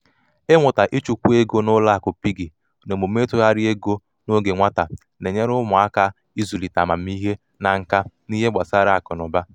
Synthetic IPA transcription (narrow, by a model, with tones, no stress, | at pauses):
e˦ŋʷʊ˨ta˨ʔi˦t͡ʃu˨kʷu˦e˦ɡo˦nʊ˦la˦a˨kʊ˨pi˦ɡi˨ | no˨mo˨me˦tʊ˦ɦa˦ɾɪ˦e˦ɡo˦ | no˦ɡe˨ŋʷa˦ta˨ | ne˨ɲe˦ɾʊ˦mʊ˨a˦ka˦ | i˦zu˨li˨ta˨ma˨m̩˦i˦ɦe˦ | na˨ŋ̩˦ka˦ | ni˦ɦe˦ɡ͡ba˨sa˦ɾa˦˨a˨kʊ˨nʊ˨ba˦